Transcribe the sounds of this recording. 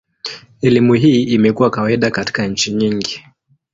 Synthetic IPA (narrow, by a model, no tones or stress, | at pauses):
ɛlimuɦiːimɛkuwakawaiɗakati̥kaɲ̩t͡ʃiɲiŋɡi